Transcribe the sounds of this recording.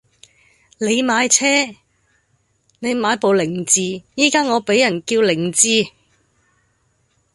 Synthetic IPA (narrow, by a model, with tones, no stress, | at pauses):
le˨˧jmaː˨˧˥jt͡sʰɛː˥ | ne˨˧jmaː˨˧jpo˨wlɪ˨˩ŋt͡siː˨˧jiː˥kaː˥ŋɔː˨˧pe˨˥jɐ˨˩nkiː˧wlɪ˨˩ŋt͡siː˧